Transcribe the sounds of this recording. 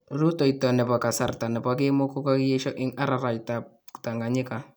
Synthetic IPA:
ɾu˦to˨i˨tɔ˨nɛ˨pa˨ka˨sa˨rta˨nɛ˨pa˦k̬ɪ˦mʊ˦ko˦ka˦kje˦ʃɔ˦ʔɪ˦ŋa˦ɾa˨ɾa˨jta˨p̚ | ta˨ŋɡa˨ɲɪ˦ka˨

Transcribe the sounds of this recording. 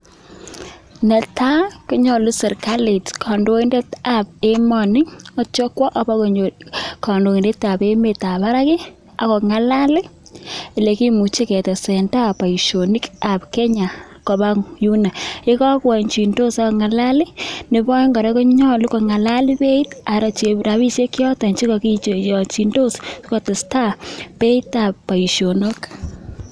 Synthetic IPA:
nɛ˨tʰa˦kɔ˦ɲɔ˨lu˦sɛ˨ɾka˦le˨tkʰɔ˨ndo˦i˦nde˦ta˨pe˦mɔ˨nɪ˦ɔ˦t͡ʃɔ˦kwɔ˦ʔɔ˨ba˦kkɔ˨ndo˨i˨nde˦ta˨pe˦me˨ta˨βa˦ɾa˦kɪ˦ | a̰˨kɔ˨ŋa˨la˦lɪ˦˨ | le˨ki˦mu˨t͡ʃe˦kɛ˨tɛ˨sɛ˨nda˦˨pa˨i˨ʃo˨ni˦ka˨pke˦ɲa˨ | ko˨ba˦ŋju˦na˨e˦kɔ˦kwa˨ɲt͡ʃi˨ndo˦sa˦kɔ˨ŋa˨la˦lɪ˦ne˨bɔ˦ŋɡɔ˨ɾe˦ko˦ɲɔ˦lu˦ko˨ŋa˨la˦li˦pe˦i˦ta˨ɾa˨t͡ʃe˨ɾa˨βi˦ʃe˦kjɔ˦ta˨ɲt͡ʃi˦kɔ˨ki˦t͡ʃe˨jɔ˨t͡ʃi˨ndo˦sskɔ˨tɪ˨sta˦˨pe˦i˦ta˨pːa˨i˨ʃjo˨no˦k

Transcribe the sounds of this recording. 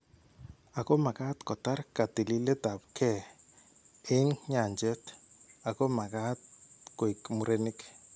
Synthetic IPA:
a˨ko˦ma˨ka˦t̪kɔ˨ta˦ɾka˨ti˨li˦le˦ta˨p̚kʰɛ˦˨ | e˦ŋɲa˨nd͡ʒɛ˦t | a˨ko˦ma˨ka˦t̚ko˨i˨kmu˨ɾe˦ni˦k

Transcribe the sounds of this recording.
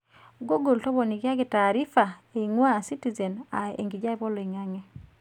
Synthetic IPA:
ɡo˦ɡo˨ltɔ˦βɔ˨ni˨kja˦ɡi˨taː˨ɾi˦fa˨e˨ŋwa˦si˦ti˨zɛ˨na˨ḛ˨ŋɡi˨d͡ʒa˦e˦˨bɔ˦lɔ˨i˨ŋa˦ŋɛ˦

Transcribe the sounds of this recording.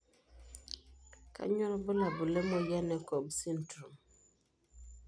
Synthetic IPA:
ka̰˨˦ɲɔ˦ɾɔ˦bo˦la˨bu˨lɛ˦mɔ˦jɛ˦nɛ˨ko˨bsi˦ntɾu˨m

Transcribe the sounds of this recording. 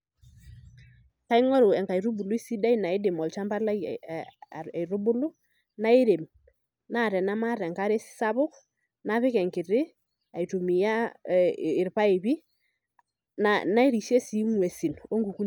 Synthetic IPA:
ka˦i˦ŋɔ˦ɾo˨ɛ˨ŋka˨i˨ɾu˦bu˨lʊ˦i˦si˦da˦i˦na˨ɪ˦dɪ˨mɔ˨lt͡ʃa˦mba˦la˦˨ | i˨ɾʊ˦bʊ˦lʊ˦ | na˦ɪ˦ɾe˨m | na˦˨ɾɛ˨na˦ma˦ɾɛ˨ŋka˦ɾe˦sɪ̥˦sa˦βʊ˦k | na˦βɪ˦kɛ˨ŋkɪ˨ɾɪ˦ | a˨i˨tu˨mi˨ja˦ | ɪ˨ɾpa˦ɪ˨βi˦ | nana˦i˦ɾi˨ʃɛ˦si˦ŋwɛ˨si˨no˦ŋɡu˨ku˦

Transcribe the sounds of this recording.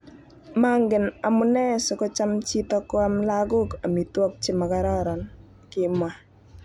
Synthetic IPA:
ma˦ŋɡɪ˨na˨mʊ˦nɛ˦sɔ˨kɔ˦t͡ʃa˦mt͡ʃi˦tɔ˦kʊ˦a˦mla˦ɡʊ˦ka˨mi˨twɔ˦k̚t͡ʃɪ˦ma˨ka˨ɾɔ˦ɾɔ˨n | kɪ˨mwa˨

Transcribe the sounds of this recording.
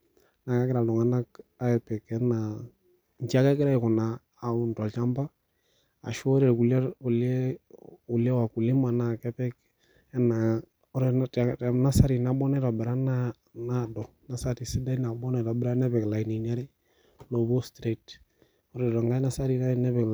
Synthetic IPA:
na˨ka˦kɪ˦ɾa˨lɔ˨ŋa˨na˦ka˦ɛ˨pɛ˨kɛ˦na˨ | ɲt͡ʃa˦ka˦kɪ˦ɾa˦ɪ˨kʊ˨naː˨ | u˨ntɔ˨lt͡ʃa˦mba˦ | a̰˨ʃɔ˦ɾɛ˨ɾku˨lu˨lɛ˦u˨lɛ˦wa˨ku˨lɪ˦ma˨na˨kɛ˦pɛ˦k | ɛ˦na˨ | ɔ˦ɾɛ˨tna˦sa˦ɾi˨na˨bɔ˦nɛ˦ta˨bɪ˨ɾa˦na | na˦dɔ˨na˦sa˦ti˨sɪ˦da˦i˦na˨bɔ˦nɛ˨ta˨bɪ˦ɾa˦nɛ˦pɛ˨kla˨i˨ni˨na˦ɾɪ˦ | lo˨bo˦stɾe˨t | ɔ˦ɾɛ˨dɔ˨ŋɡa˦na˦sa˦ɾi˨na˦nɛ˦pɛ˨k

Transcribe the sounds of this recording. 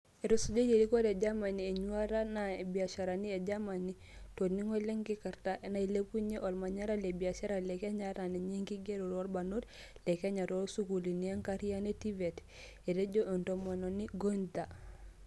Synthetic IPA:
e˨ɾo˨su˦ɟo˦je˨ɾi˦ko˦ɾe˨ɟa˦ma˨ni˨e˨ɲu˦a˦ɾa˦na˨e˨bia˨ʃa˨ɾa˨ni˦e˨ɟa˦ma˨ni | to˨ni˦ŋo˦le˦ŋki˦ka˨ɾtaʔe˨na˦i˨le˦pu˦ɲe˦ʔo˨lma˨ɲa˦ɾa˦le˨bi˨a˨ʃa˦ɾa˨le˨ke˦ɲa˦ɾa˨ne˨ɲe˦ŋki˦ɡe˦ɾo˨ɾo˦lba˨nu˦t | lɛ˨ke˦ɲa˨ɾo˦lsu˦ku˨li˨nia˦ŋka˦ɾi˦ja˦ne˦ti˦ve˨t | e˨de˦ɟo˦ʔe˨nto˨mo˨no˨ni˦ɡo˦nta˨

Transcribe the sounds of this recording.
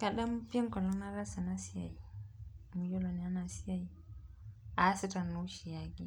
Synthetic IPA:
ka˨da˦m˦pi˦e˦ŋkɔ˨lɔ˦ŋna˦ɾa˦sa˨na˦si˦ja˨i˨mu˨jo˦lo˨ni˨a˦na˨si˦a˦˨ji˨ | a˨˦si˦ta˨nːu˦ʃi˨ja˨ɡi˦

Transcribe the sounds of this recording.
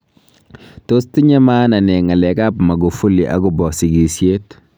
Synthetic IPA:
to˦sti˦ɲa˦ma˦na˨ne˨ŋa˨le˨ka˦pma˨ɡu˨fu˦li˨ʔa̰˨˦ɡu˨bɔ˨si˨ɡi˨sje˦t

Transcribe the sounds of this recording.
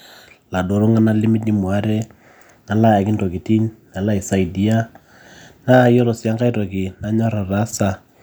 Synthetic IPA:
la˨do˨ɾo˦ŋa˦na˦lɪ˦mi˦di˦mwa˦ɾɛ˦ | na˨la˦ja˨kɪ˦nto˨ki˨ti˦ɲna˨la˦i˨sa˦i˨di˦a˦ | naː˦˨jo˦ɾo˨sja˦ŋɡa˦i˦tɔ˨kɪ˨na˦ɲɔ˦ɾa˨ra˦sa˨

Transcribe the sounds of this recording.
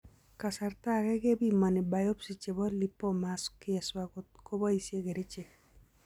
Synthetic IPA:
ka˨sa˨rta˦kɛ˦ɡe˦bi˦ma˨nɪ˨ba˨jo˦psi˨t͡ʃe˨bɔ˦li˦pːo˦ma˨skɪ˦ɛ˨swa˨ko˦t̚ko˦ba˦i˨sje˦ke˨ɾe˦t͡ʃe˨k̚

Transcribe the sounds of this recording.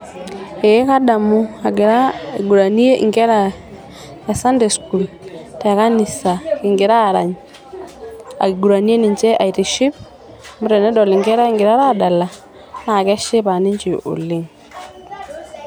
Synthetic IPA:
e˨e˦ka˦da˨mu˦a˨ɡɪ˨ɾa˦ɡu˨ɾa˨ni˦e˦ʔɪ̰˨ŋɡɛ˦ɾa˨ | ɛ˨sa˦nde˨sku˨l | tɛ˨ka˦nɪ˨sa˨kɪ˨ŋɡɪ˨ɾa˦˨ɾa̰˨ɲ | a̰˨kɪ˨ɡu˨ɾa˨ni˦e˦nɪ˨ɲt͡ʃɛ˦ʔa˨i˨ti˨ʃi˦p | mʊ˦ɾɛ˨nɛ˦dɔ˨lɪ˨ŋɡɛ˦ɾa˦ɪ˦ŋɡɪ˨ɾa˦ɾa˦˨da˨la˨ | na˦˨kɛ˦ʃɪ˦pa˨nɪ˦ɲt͡ʃi˨ʔo̰˨lɪ˦ŋ

